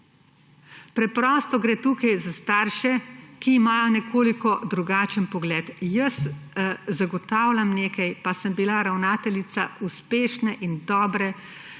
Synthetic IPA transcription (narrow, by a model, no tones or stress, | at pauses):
pɾɛpɾɔːst̪ɔɡɾeːt̪uːkajzast̪aːɾʃɛkiːmaːjɔnɛkʰoːlikɔd̪ɾuɡaːt͡ʃənpɔɡlɛːt̪jɐs | zaɡɔt̪aːwlʲamneːkajpasəmbilaɾawnaːt̪ɛlit̪sauspeːʃnɛʔind̪ɔːbɾɛ